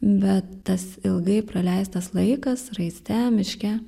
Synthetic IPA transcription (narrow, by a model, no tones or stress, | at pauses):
bʲɛt̪tɐsɪlˠɡɐɪpɾɐlʲɛɪst̪ɐslˠɐɪkɐsrɐɪsʲt̪ʲæːmʲɪʃʲkʲɛ